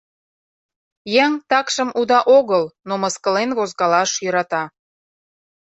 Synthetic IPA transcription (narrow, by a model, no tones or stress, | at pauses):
jæŋt̪ɑkʃəmʔud̪ɑʔoɣəlnoməskəlenβozɣɑlɑʃjøɾɑt̪ɑ